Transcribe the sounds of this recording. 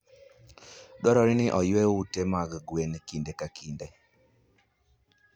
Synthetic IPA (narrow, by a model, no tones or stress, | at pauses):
dɔɾɔɾɪnɪʔɔjwewutemaɡɡwenkindekakʰinde